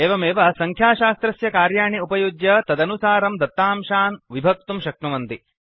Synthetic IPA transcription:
eːʋɐmeːʋɐsɐŋkʰjaːʃaːst̪ɾɐsjɐkaːɾjaːɳiupɐjuɡjɐt̪ɐd̪ɐnusaːɾɐmd̪ɐt̪ːaːmʃaːnʋibʱɐk̚t̪umʃɐk̚ʈuʋɐnd̪i

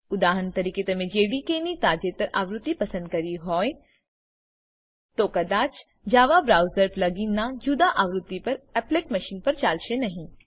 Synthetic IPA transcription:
ʊd̪aːɦənt̪ɐɾiːket̪ɐmẽd͡ʒeːɽikenit̪aːd͡ʒet̪əɾʔaːʋɾʊt̪ːipɐsə̃nd̪̚kɐɾiɦɔːe | t̪okɐd̪aːt͡ʃ | d͡ʒaːʋabɾaːʊzəɾplɐɡĩnad͡ʒud̪aʔaːʋɾʊt̪ːipɐɾɛːpleːkmɐʃiːnpɐɾt͡ʃaːlʃenɐɦĩ

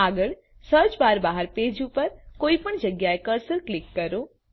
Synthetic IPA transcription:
aɡəɭ | səɾt͡ʃbaɾbaɦəɾped͡ʒupəɾkoipəɳd͡ʒəɡjaekəɾsəɾklɪkːəɾo

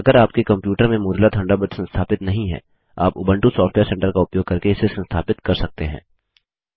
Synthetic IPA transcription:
ɐɡəɾaːp̚kekɐ̃mpjuːʈəɾmẽmʊːɾlat̪ʰɐ̃ɳɖabəd̪sɐ̃nst̪ʰaːpɪt̪nɐɦĩɦɛ̰̃ː | a̰ːpʊbə̃ɳʈusaːfʈʋeːɾsɛ̃ːɳʈəɾkaʊpjoːɡ̚kɐɾkeɪsesɐ̃nst̪ʰa̰ːpɪt̪kɐɾsɐk̚t̪eɦɛ̰̃ː

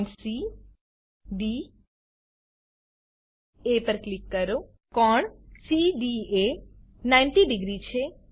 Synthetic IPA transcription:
nsi | ɖi | epəɾklikːəɾo | kɔɳsiɖie | najnʈiɖɪɡɾit͡ʃʰe

